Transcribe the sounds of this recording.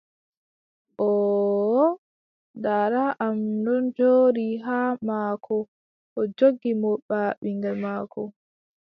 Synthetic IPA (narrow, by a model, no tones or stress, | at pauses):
ʔɔ | daɾaʔamdɔnd͡ʒoːɾiɦaːmaːkʰɔ | ʔɔd͡ʒoɡimɔɓaːɓiŋɡamaːkʰɔ